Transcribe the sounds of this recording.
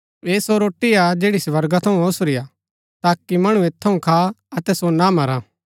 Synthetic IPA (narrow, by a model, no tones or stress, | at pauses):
ʋeːsoɾoːʈːiad͡ʒeːɽisʋɐɾɡat̪ʰɐũosɾɪja | t̪aːkimɐɽ̃ũeːt̪ʰːɐũkʰaːɐt̪ɛsonamɐɾaː